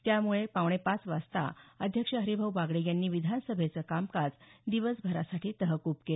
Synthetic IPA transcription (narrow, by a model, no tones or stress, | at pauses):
t̪jamuɭepaʋɳ̃epat͡sʋast̪a̰əd̪ʱjəkʂəɦəɾibʱəʋʋaɡɭejanːiːʋid̪ʱansəbʱet͡səkamkad͡zd̪iʋəsbʱəɾasaʈʰiːt̪əɦəkupkele